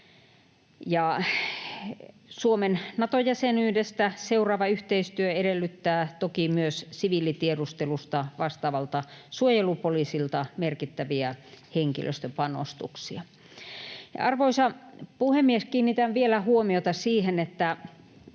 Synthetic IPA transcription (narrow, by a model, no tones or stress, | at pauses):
jɑ | suomennɑt̪ojæsenyːdest̪æseurɑːʋɑyht̪eist̪yøedelːyt̪ːæːt̪okimyøssiʋiːlit̪iedust̪elust̪ɑʋɑst̪ɑːʋɑlt̪ɑsuojelupoliːsilt̪ɑmerkit̪ːæʋiæheŋkḭlʔø̰st̪øpɑno̰st̪ṵksiɑ | jɑ̰ɑrʋoisɑpuhemːieskiːnːit̪ænʋielæhuomiot̪ɑsiːhenet̪ːæ